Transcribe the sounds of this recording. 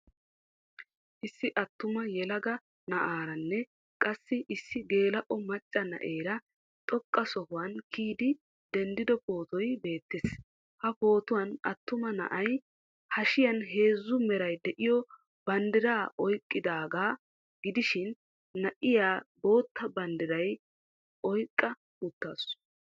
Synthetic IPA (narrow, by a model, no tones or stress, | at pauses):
ʔɪsːɪʔɐt̪ːʊmɐjɛlɐɡɐ | nɐʔaːɾɐnːɛ | kʼɐsːɪʔɪsːɪɡe̞ːlɐʔɔmɐt͡ʃʼːɐnɐ̰ʔeːɾɐ | t̪ʼɔkʼːɐsɔhʊwɐnkʰiːd̪ɪ | d̪̥ɛnd̪ɪd̪ɔpo̞ːt̪ɔjbe̞ːt̪ːɪs | hɐpo̞ːt̪ʊwɐnɐt̪ːʊmɐnɐ̰ʔɐj | hɐʃɪjɐnɦe̞ːzːʊmɛɾɐjd̪ɛʔɪjɔ | b̥ɐnd̪ɪɾaːʔɔjkʼːɪd̪aːɡaː | ɡ̥ɪd̪ɪʃɪnː | ɐʔɪjaːbo̞ːt̪ːɐbɐnd̪ɪɾɐj | ʔɔjkʼːɐ | ʊt̪ːaːs